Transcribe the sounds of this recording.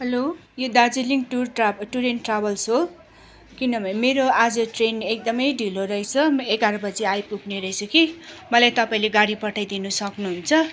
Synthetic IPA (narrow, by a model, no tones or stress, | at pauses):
ɦʌlo | jod̪ad͡ziliŋʈuraʈuɾenʈrabʌlso | kinʌbʌmeɾoad͡zʌʈrenek̚d̪ʌmʌjɖʱiloɾʌjt͡sʰʌmeɡaɾʌbʌd͡ziajpukneɾʌjt͡sʰʌkimʌlajt̪ʌpaĩleɡaɽipʌʈʰajd̪inusʌknuɦunt͡sʰʌ